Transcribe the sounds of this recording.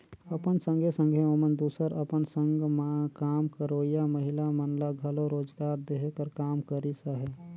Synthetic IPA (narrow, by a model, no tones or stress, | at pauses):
əpənsə̃ŋɡʱesə̃ŋɡʱeomənd̪uːsəɾəpənsə̃ŋɡʱmakaːmkəɾoːijaməɦɪlamənlaɡʱaloɾoːd͡ʒɡaːɾd̪eɦekəɾkaːmkəɾisaɦɛː